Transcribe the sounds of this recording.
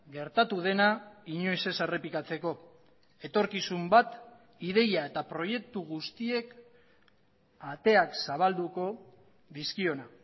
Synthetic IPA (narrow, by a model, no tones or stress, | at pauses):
ɡe̞ɾt̪at̪uð̞e̞naiɲo̞jse̞sere̞pikat͡se̞ko̞ | e̞t̪o̞ɾkisumbat̪ | ið̞e̞jae̞t̪apɾo̞je̞k̚t̪uɣust̪ie̞k | at̪e̞aksaβ̞ald̪uko̞ | ðiskio̞na